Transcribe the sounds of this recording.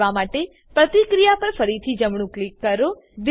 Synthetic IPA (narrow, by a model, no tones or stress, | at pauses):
ʋamaʈe | pɾət̪ikɾijapəɾfəɾit̪ʰid͡ʒəmɳ̃ũklikːəɾo | d̪